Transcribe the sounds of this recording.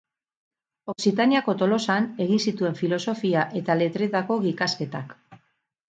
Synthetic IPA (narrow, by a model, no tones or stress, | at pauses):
o̞ksit̪aniako̞t̪o̞lo̞sane̞ɣinsit̪ue̞ɱfilo̞so̞fiaʔe̞t̪ale̞t̪ɾe̞t̪ako̞ɣikaske̞t̪ak